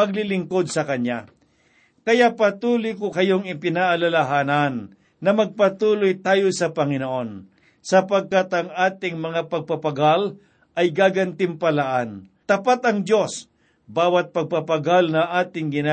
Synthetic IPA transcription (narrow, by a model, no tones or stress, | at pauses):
ɐɡ̚lɪlɪŋko̞d̪̚sɐkɐnja | kɐjaʔpɐt̪uːlʊjkokɐjoŋɪpɪnaʔalalaɦaːnɐnː | ɐmɐɡ̚pɐt̪uːlojt̪aːjosɐpɐŋɪnoʔo̞n | sɐpɐɡ̚kat̪ɐŋaːt̪ɪŋmɐŋapɐɡ̚papɐɡal | ʔɐjɡaːɡɐnt̪ɪmpɐlaʔant̪ɐpat̪ɐŋd̪jo̞s | baːwɐt̪̚pɐɡ̚pɐpɐɡalnɐʔaːt̪ɪŋɡɪna